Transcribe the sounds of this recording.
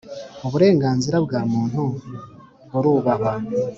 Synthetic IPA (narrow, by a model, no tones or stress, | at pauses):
oβuɾe̞ːŋɡaːnziɾabɡaːmuːn̥hu | uɾuːβaβa